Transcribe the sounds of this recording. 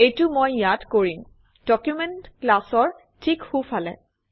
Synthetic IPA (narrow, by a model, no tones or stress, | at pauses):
ejtumojːatkoɹim | d̥ɔkjumentklasɔɹ | tʰikhufalɛ̰